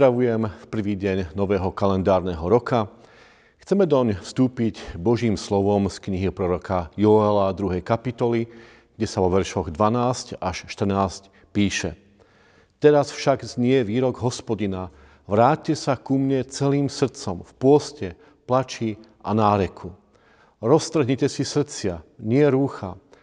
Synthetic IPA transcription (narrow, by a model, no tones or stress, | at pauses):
ɾaʋujɛmfpr̩ʋiːɟɛɲnɔʋɛːɦɔkalɛnd̪aːɾnɛɦɔɾɔka | xt͡sɛmɛd̪ɔɲfst̪uːpiɟbɔʒiːmslɔʋɔmskɲiɦipɾɔɾɔkʰajɔɛlad̪ɾuɦɛjkapit̪ɔli | ɡ̥ɟɛsaʋɔʋɛɾʃɔɣd̪ʋanaːscaʃʃt̪r̩naːsc | piːʃɛ̰ | t̪ɛɾasfʃaɡzɲɪɛʋiːɾɔɡɦɔspɔɟina | ʋɾaːtcːɛsakumɲɛt͡sɛliːmsr̩t͡sɔmfpʊɔscɛ | plat͡ʃiːʔanaːɾɛkʰu | ɾɔst̪ɾ̩ɦɲicɛsisr̩t͡sɪaɲɪɛɾuːxa